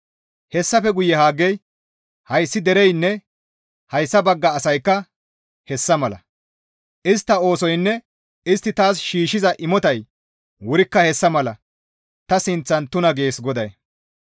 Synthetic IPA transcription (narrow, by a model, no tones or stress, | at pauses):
hɛsːɐfɛɡʊjːɛhaːɡːɛj | hɐjsːɪd̪ɛɾɛjnːɛ | hɐjsːɐbɐɡːɐːsɐjkːɐ | hɛsːɐmɐlɐ̰ | ʔɪst̪ːɐo̞ːsɔjnːɛ | ɪst̪ːɪt̪aːsʃiːʃɪzɐʔɪmɔt̪ɐj | wʊɾɪkːɐhɛsːɐmɐlɐ | t̪ɐsɪnt͡sːɐnt̪ʊnɐɡe̞ːsɡɔd̪ɐj